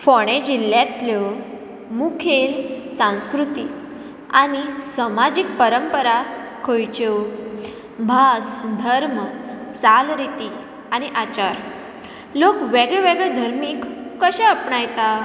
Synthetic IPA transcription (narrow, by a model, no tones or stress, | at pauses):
fɔɽ̃ẽd͡ʑilːjãt̪ljɔ | mukʰelsãw̃skɾut̪i | a̰ñisəmad͡ʑik̚pəɾəmpəɾakʰojt͡ɕew | bʱasd̪ʱəɾmət͡salɾit̪i | añiʔat͡ɕaɾ | lokʋeɡɭɛʋeɡɭɛd̪ʱəɾmiːkːəɕãəpɳajt̪a